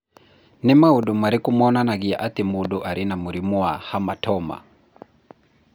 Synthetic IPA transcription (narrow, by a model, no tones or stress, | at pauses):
nimauɗumaɾikumɔnanaɡiaʔatimuɗuʔaɾʔinamuɾimuahamatɔma̰